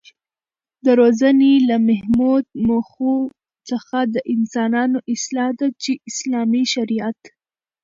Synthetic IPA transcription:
d̪əɾozanelamahmud̪̚moxu | t͡səxad̪əʔɪnsɑnɑnoʔɪslɑhd̪at͡ʃeɪslɑmiʃaɾijat̪

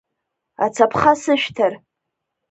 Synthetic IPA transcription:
a̰t͡sʰapʰχasɨʃᶣtʰar

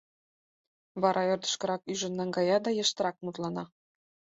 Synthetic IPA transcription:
βɑɾʔɑørd̪ə̥̆ʃkɤ̆ɾɑkyʒə̆nːɑŋɡɑjɑd̪ɑjɤ̆ʃt̪ɤ̆ɾɑk̚mut̪lˠɑnɑ

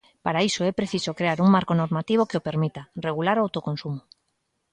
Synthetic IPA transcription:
paɾaisoepɾeθisokɾeaɾuŋmaɾkonoɾmat̪iβ̞okeope̞ɾmit̪areɣ̞ulaɾoawt̪oko̞nsumo

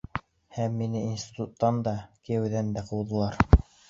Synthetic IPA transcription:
hæmːinɘinsʲt̪ʲi̥t̪ut̪ːɑnd̪ɑkɘjɘ̆wðænd̪æqɤ̆lˠðɤ̆lˠɑɾ

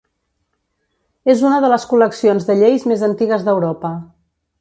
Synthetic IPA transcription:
ezunəðələskuləksionzðəʎejzmezənt̪iɣəzðəwɾɔpə

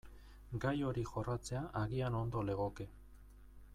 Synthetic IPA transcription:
ɡajo̞ɾixo̞rat͡se̞aʔaɣiano̞nd̪o̞le̞ɣ̞o̞ke̞

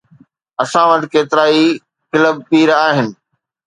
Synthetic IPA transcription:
ɐsãʋət̪ɪ̆keːt̪ɪɾaːi | kɪləb̚piːɾaːɦɪnɪ̆

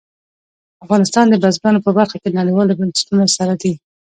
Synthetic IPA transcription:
afɣɑnɪst̪ɑnd̪əbazbanopəbaɾxakenaɽijwɑlobansḁt̪unasaɾad̪i

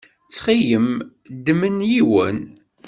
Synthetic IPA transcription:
t͡sːχijəm | d̪əmənjiwə̰n

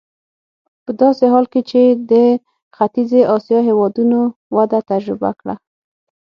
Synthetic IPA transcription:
pəd̪ɑseɦɑlket͡ʃed̪ə | xat̪izeʔɑsjɑɦewɑd̪unowad̪at̪ad͡ʒɾɪba̰kɽa̰

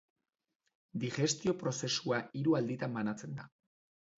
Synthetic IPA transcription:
d̪ixe̞st̪io̞pɾo̞se̞suaʔiɾuald̪it̪amːanat͡se̞nd̪a

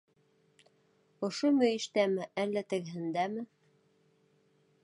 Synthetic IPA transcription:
ŏʃomɵ̆jɘ̆ʃt̪æmɘʔælːæt̪ɘ̆ɡɘ̆ɦɘ̆nd̪æmɘ

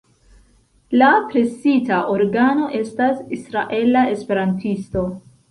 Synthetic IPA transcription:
lapɾe̞sitaʔoɾɡano̞ʔe̞stasisɾaʔe̞lae̞spe̞ɾantʰisto̞

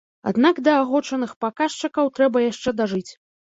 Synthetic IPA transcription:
a̰d̪nakd̪ɐːɣɔt͡ʂɐnɨxpakaʂt͡ʂɐkɐwt̪ɾɛbɐjaʂt͡ʂɛd̪aʐɨt͡sʲ

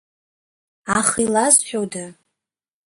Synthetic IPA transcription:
aχilazħᶣowda

